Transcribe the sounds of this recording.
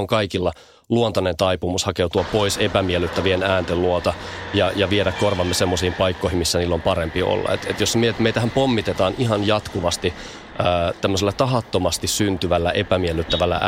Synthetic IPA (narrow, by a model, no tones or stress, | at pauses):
oŋkɑikilːɑ | luont̪ɑnent̪ɑipumushɑkewt̪uɑpoisepæmielːyt̪ːæʋienæːnt̪elluot̪ɑjɑjɑʋieɾækkorʋɑmːesemːosiːmpɑikːoihimisːæniːlːompɑɾempio̰lːɑ̰et̪et̪josmejt̪mejt̪æhæmpomːit̪et̪ɑːnihɑnjɑt̪kuʋɑst̪i | əːt̪æmːøs̬elːɑt̪ɑɦɑt̪ːomɑst̪issynt̪yʋælːæʔepæmielːˑyt̪ːæʋælːæ̰ʔ